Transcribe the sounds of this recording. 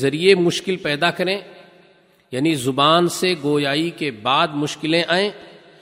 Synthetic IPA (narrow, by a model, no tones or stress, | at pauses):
zɐɾiemʊʃkɪlpɛːd̪akɐɾẽː | jaːnizʊbaːnseɡoːjaːikebaːd̪mʊʃkɪlẽʔaːẽː